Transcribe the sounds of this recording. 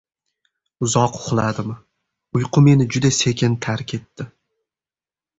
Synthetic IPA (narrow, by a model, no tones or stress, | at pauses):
ʊzɒqʊχlˠad̪ɪmɪ | ʊjqʰʊme̞nɪd͡ʒʊd̪ase̞kʲʰɪnt̪ʰaɾkʲʰe̞t̪ːɪ